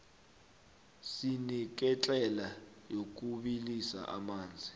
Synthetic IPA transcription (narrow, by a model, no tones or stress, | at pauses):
sinik̬ɛt͡ɬʼɛla | jok̬ʼuɓilisa̰ʔa̰maːnd͡zʱi